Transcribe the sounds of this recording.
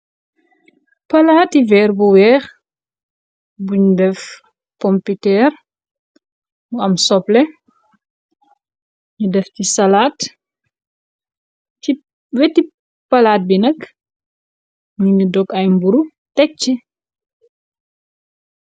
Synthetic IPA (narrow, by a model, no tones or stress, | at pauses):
pɐlaːtivɛːrbuwɛːx | buɲudɛf | pɔmpitɛːr | muɐmsɔplɛ | ɲudɛftisɐlaːt | i | wɛti | pɐlaːt̚binɐk | ɲuɲudɔkɐjmbuɾu | tɛk̚t͡ʃi